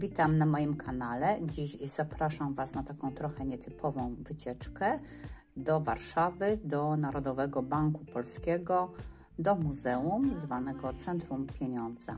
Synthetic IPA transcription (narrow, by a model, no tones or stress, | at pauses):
vʲit̪amnamɔjimkʰanalɛd͡ʑiɕzapɾaʂamvasnat̪akɔ̃w̃t̪ɾɔxɛɲɛt̪ʰɘpʰɔvɔ̃w̃vɘt͡ɕɛt͡ʂkɛ | d̪ɔvaɾʂavɘd̪ɔnaɾɔd̪ɔvɛɡɔbaŋkupɔlskʲɛɡɔ | d̪ɔmuzɛumzvanɛɡɔt̪sɛnt̪ɾumpʲjɛɲɔnd̪za̰